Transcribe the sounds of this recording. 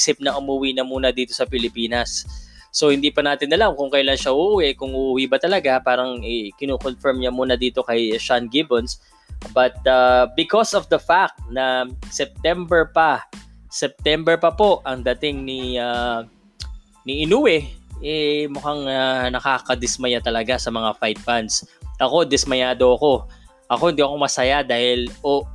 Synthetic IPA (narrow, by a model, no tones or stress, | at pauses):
sɪp̚nɐʔʊmʊwinɐmuːnɐd̪iːt̪o̞sɐpɪlɪpiːnɐsː | o̞hɪnd̪iːpɐnaːt̪ɪnːɐlamkʊŋkɐjlanʃɐʔuʔuwɛkʊŋʊʔwibɐt̪ɐlɐɡapaːɾɐŋɪkɪnuːkonfɛɹmɲɐmuːnɐd̪iːt̪o̞kɐjʃanɡɪbons | bɐt̪̚abɪkosɔvd̪ɐfak̚t̪nɐsɛp̚t̪ɛmbɛɹpɐ | sɛp̚t̪ɛmbɛɹpɐpo̞ʔʔɐŋd̪ɐt̪ɪŋnia | nɪʔɪnuwɛʔɛmʊkaŋanɐkaːkɐd̪ɪsmɐjat̪ɐlɐɡasɐmɐŋafajt̪̚fansʔɐko̞d̪ɪsmɐjaːd̪o̞ɐko̞ | ʔɐko̞ɪnd̪iʔɐkomɐsɐjad̪aːhɪlʔo